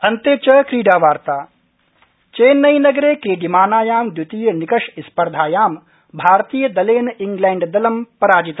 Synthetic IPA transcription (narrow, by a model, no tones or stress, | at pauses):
ɐnt̪eːt͡ʃɐkɾiːɖaːʋaːɾt̪aː | t͡ʃeːnːɐjnɐɡɾeːkɾiːɖimaːnaːjaːmd̪jut̪iːjɐnikɐʂispɐɾd̪ʱaːjaːm | bʱaːɾt̪iːjɐd̪ɐleːniŋɡlɛːɳɖd̪ɐlɐmpɐɾaːd͡ʒit̪